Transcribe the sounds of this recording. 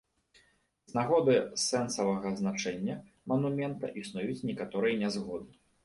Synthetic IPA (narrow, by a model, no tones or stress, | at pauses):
znaɣɔd̪ɨsɛnsɐvɐɣɐznat͡ʂɛnʲːɐ | mɐnumʲɛnt̪ɐ̰ʔisnujut͡sʲnʲɛkat̪ɔɾɨjɐnʲɛzɣɔd̪ɨ